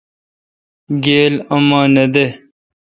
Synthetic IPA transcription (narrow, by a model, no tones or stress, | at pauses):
ɡeːlɐmãːned̪e